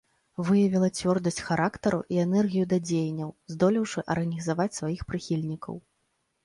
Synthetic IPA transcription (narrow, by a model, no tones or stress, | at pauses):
vɨjɐvʲilˠɐt͡sʲvʲɔrd̪ɐsʲt͡sʲxaɾʔakt̪ɐɾuʔiɛnɛrɣʲijud̪ad͡zʲejnʲːɐwzd̪ɔlʲiwʂɨʔɐrɣɐnʲizavat͡sʲsvajixpɾɨxʲilʲnʲikɐ̰w